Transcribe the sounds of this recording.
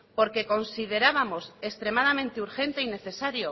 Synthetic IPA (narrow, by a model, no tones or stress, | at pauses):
po̞ɾke̞ko̞nsið̞e̞ɾaβamo̞sest̪ɾe̞mað̞amẽnt̪euɾxe̞nt̪e̞ine̞θe̞saɾjo